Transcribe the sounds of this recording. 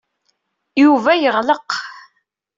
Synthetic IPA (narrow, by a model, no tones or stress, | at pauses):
juvæjəʁləq